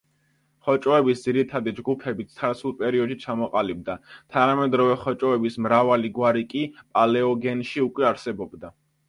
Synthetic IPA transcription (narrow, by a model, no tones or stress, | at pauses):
χɔt͡ʃʼɔɛbisd̪ziɾit̪ʰad̪id͡ʒɡupʰɛbit̪sʰaɾt̪sulˠpʼɛɾiɔd̪ʃit͡ʃʰamɔqʼalib̚d̪at̪ʰanamɛd̪ɾɔvɛχɔt͡ʃʼɔɛbismɾavaliɡwaɾikʼipʼalɛɔɡɛnʃiukʼwɛaɾsɛbɔbd̪a